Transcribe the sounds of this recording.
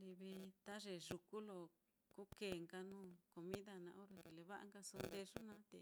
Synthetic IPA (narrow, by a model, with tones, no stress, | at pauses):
li˧βi˧t̪a˦ʐe˨ʐu˧ku˦lo˨ | ku˦ke˨ŋɡa˧nũː˦˨ko˧mĩ˦ða˧nã˧ʔo˦ɾo˧ki˨le˧βa˦ʔa̰˧ŋɡa˧so˧nd̪e˧ʐu˦nã˦t̪ḛ˨